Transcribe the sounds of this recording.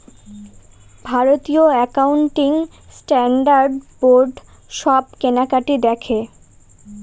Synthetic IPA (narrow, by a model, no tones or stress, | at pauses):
bʱaɾot̪ioɛkauɳʈiŋ | sʈɛɳɖaɾɖboɾɖ | ʃɔb̚kenakaʈid̪ɛkʰe